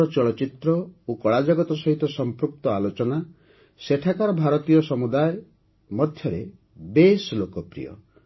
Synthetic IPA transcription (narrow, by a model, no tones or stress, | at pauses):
ɔt͡ʃɔɭɔt͡ʃit̪ɾɔokɔɭad͡ʒaɡɔt̪ɔsɔɦit̪ɔsɔmpɾuk̚t̪ɔalot͡ʃɔna | seʈʰakaɾɔbʱaɾɔt̪ijɔsɔmud̪aje | mɔd̪ʱʰjɔɾe | beslokɔpɾḭjɔ̰